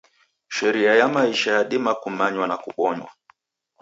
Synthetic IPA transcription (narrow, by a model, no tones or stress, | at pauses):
ʃɛɾiajamaiʃajaɗimakumaɲwanakuɓɔɲwa̰